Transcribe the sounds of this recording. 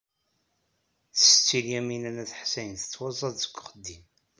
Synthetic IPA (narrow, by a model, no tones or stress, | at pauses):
θsət͡sːiljæminænæθħsæjənθə̥t͡sːwɑzˤɑðzə̥ɡʷːχəd̪ːim